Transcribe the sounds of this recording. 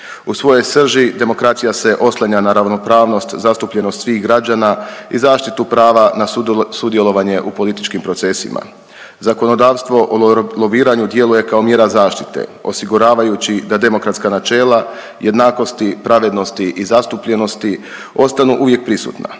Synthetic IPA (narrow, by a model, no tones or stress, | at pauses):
usʋo̞jo̞jsr̩ʒid̪e̞mo̞kɾat̪sijase̞ʔo̞slˠaɲanaɾaʋno̞pɾaːʋno̞st̪zast̪upʎe̞no̞st̪sʋiːxɡɾad͡ʑanaizaːʃt̪it̪upɾaːʋanasud̪je̞lo̞ʋaɲe̞ʔupo̞lit̪i̥t͡ʃkimpɾo̞t̪se̞sḭma̰ | zako̞no̞d̪aːʋst̪ʋo̞ʔolo̞ʋiːɾaɲud̪je̞luje̞kao̞mje̞ːɾazaːʃt̪it̪ḛo̞siɡuɾaːʋajut͡ɕid̪ad̪e̞mokɾat̪skanat͡ʃe̞ːlˠa | je̞d̪naːko̞st̪ipɾaʋe̞d̪no̞st̪iʔizast̪upʎe̞no̞st̪i | o̞st̪anuʔuʋje̞k̚pɾisṵːt̪na̰